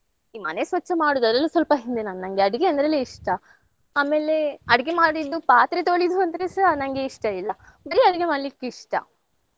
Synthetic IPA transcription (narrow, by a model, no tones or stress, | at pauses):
iːmɐ̰nesʋɐt͡ʃːɐmaːɽuːd̪ɐd̪ɾɐlːusʋɐlpɐɦind̪enaːnnɐŋɡeɐɽɐɡeɐnd̪ɐɾɐleiʂʈɐ | aːme̞ːle̞ɐɽɐɡe̞maːɽid̪ːupaːt̪ɾet̪oɭid̪uɐnd̪ɐɾesɐnɐŋɡe̞iʂʈɐilːɐ | bɐɾiɐɽɐɡe̞maːɽlikːiʂʈɐ̰